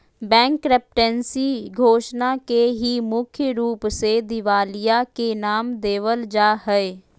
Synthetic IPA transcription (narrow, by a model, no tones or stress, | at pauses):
bɛ̃ːŋkɾɛp̚ʈɛ̃ːnsiːɡʱoːʃnaːkeɦiːmʊkʰjəɾuːpsed̪ɪʋaːlijaːkenaːmd̪eːʋəld͡ʒaːɦəeː